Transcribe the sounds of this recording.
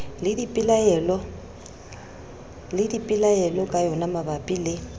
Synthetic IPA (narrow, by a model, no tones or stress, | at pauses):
lɪdipʼɪlaɛlɔ | lɪdipʼɪlajɛlɔkʼajɔnamabapʼilɪ